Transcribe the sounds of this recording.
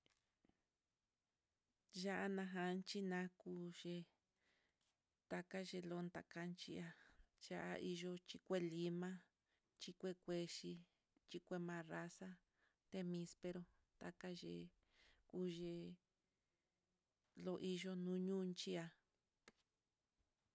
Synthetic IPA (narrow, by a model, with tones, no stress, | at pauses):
ʒa˦ʔa˧nã˧ɦã˧nt͡ʃi˦nã˨˧ku˧˦ʒe˧ | t̪a˧ka˦ʒe˧lo˧nt̪a̰˨ka˧nt͡ʃḭ˧a˧ja˦ʔa̰˧ʔi˧ʒo˧t͡ʃi˧kʷe˦li˧mã˦ | t͡ʃi˧kʷe˦kʷe˧ʃi˧ | t͡ʃi˧kʷe˧mã˧ra˧sa˦ | t̪e˧mĩ˧spe˧ɾo˧ | t̪a̰˧ka˦ʒḛ˧ | ku˦ʒe˧ | lo˧ʔi˧ʒo˧nũː˦ɲũ˦˧nt͡ʃi˦a˧